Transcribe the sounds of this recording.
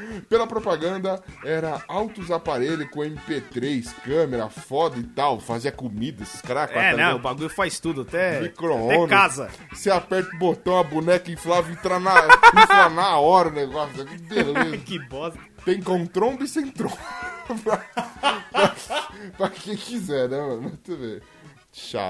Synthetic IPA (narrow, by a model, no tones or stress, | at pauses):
pelɐpɾopaɡɐ̃nd̪ɐɛɾɐawt̪ʊzapaɾeʎʊkõẽmipet̪ɾejskɐ̃meɾɐ̰fɔd̪ɐɪt̪awfaziɐkomid̪ɐesɪ̥skaɾakaɛtnɐɐ̃w̃ʊbaɡuʎʊfajst̪ud̪ʊat̪ɛmikɾoõnkazɐ̰ | seapɛɾt̪ʊbot̪ɐ̃w̃ɐbunɛkɐĩflavĩt̪ɾanɐẽt̪ɾanɐɔɾɐʊneɡɔsʊɛbelɐzekɪbɔz | t̪ẽj̃kõt̪ɾõbisẽj̃t̪ɾõpɾɐ | pɾɐpɾɐkẽj̃kizɛɾnɛmɐ̃nmɐt̪eve | ʃa̰